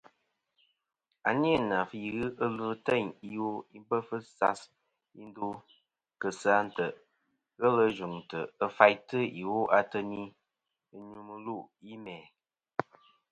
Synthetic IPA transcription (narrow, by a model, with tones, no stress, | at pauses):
a˨ni˦ə˦˨na˨fɣɨ˦ʔə˦lɨ˦tə˦˨ɲi˨wo˦i˦bə˦fɨ˦sa˦s | i˦n˦du˦ | kə˨sa˦n̩˦tə˨ | ɣə˦lə˧˦d͡ʒu˨ŋ˨tə˨ə˦fa˦jtɨ˦i˨wo˦ʔa˨tə˧ni˦ | ɨ˦ɲu˧mɨ˧lu˦˨ʔi˦mɛ˨